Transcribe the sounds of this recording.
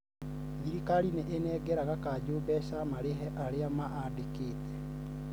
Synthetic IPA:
ɡiɾikaɾineʔenɛɡɛɾaɣakaːd͡ʑoːbɛʃamaɾeɦɛʔaɾeamaʔadekeːtɛ̥

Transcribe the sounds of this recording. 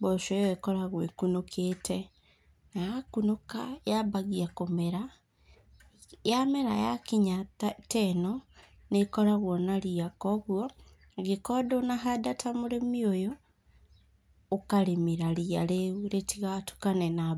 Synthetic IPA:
bɔʃɔɔekɔɾaɣwekunokʰetʰɛ | naakunokajaβaɣiakomɛɾa | jamɛɾa̰ja̰kiɲattɛnɔ | nekɔɾaɣwɔnaɾiakɔɣwɔ | ɣikɔdonaɦadatʰamoɾemiojo | kaɾemiɾaɾiaɾeuɾetiɣatu̥kanɛna

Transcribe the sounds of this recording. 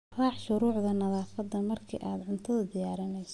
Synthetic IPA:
rɑːħʃʊɾuːʕðɐnɐðaːfɐd̪ːɐmɐrkʰḭːʔaːd̪ʕʊnt̪ʰɐðɐd̪ɪjaːɾɪnɛjs

